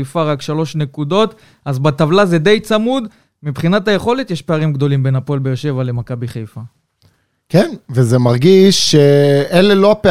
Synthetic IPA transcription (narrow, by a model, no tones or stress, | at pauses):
jfaʁakʃalo̞ʃne̞kud̪o̞t̪ | azbat̪avlaze̞d̪e̞jt͡samud̪ | mipχinataje̞χo̞le̞t̪jeʃpe̞aʁimɡd̪o̞limbenapolbejeʁʃe̞vale̞makabiχejfa | kenvezemaʁɡiʃːeelelo̞ape